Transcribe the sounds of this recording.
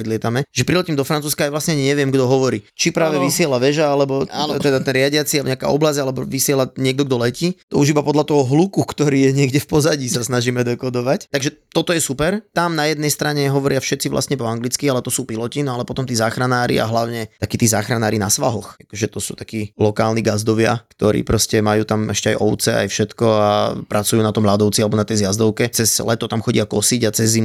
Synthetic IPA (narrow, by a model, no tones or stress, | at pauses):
ɔd̪lɪɛt̪amɛʒɛpɾilɛciːmd̪ɔfɾant͡suːskaːjʋlasɲɛaɲiɲɛʋɪɛmɡd̪ɔɦɔʋɔɾiːt͡ʃipɾaːʋɛʋisɪɛlaʋɛʒaalɛbɔat̪ɛd̪at̪ɛnɾɪaɟɪat͡siɲaka̰ːɔblazalɛbɔʋisɪɛlaɲɪɛɡ̚d̪ɔɡd̪ɔlɛcit̪ɔ̰uʒibapɔd̪ʎat̪ɔɦɔɦlukukt̪ɔɾiːjɛɲɪɛɡɟɛfpɔzaɟisasnaʒiːmɛd̪ɛkɔd̪ɔʋact̪aɡʒɛt̪ɔt̪ɔjɛsupɛɾt̪amnajɛd̪̚nɛjst̪ɾaɲɛɦɔʋɔɾɪafʃɛt̪t͡siʋlʔa̰sɲɛpɔaŋɡlit͡skialɛt̪ɔsuːpilɔcinɔalɛpɔt̪ɔmt̪iːzaːxɾanaːɾḭa̰ɦlaʊɲɛt̪akiːt̪iːzaːxɾanaːɾinasʋa̰ɦɔxakɔʒɛt̪ɔsuːt̪ḁkiːlɔkaːlniɡazd̪ɔʋɪa̰kt̪ɔɾḭːpɾɔscɛmajuːt̪amɛʃcɛajɔʊt͡sɛa̰jfʃɛt̪kɔapɾʔat͡sujuːnat̪ɔmʎad̪ɔʊt͡sialɛbɔnat̪ɛjzjazd̪ɔʊkɛt͡sɛzlɛt̪ɔt̪amxɔɟɪakɔsiɟat͡sɛzːim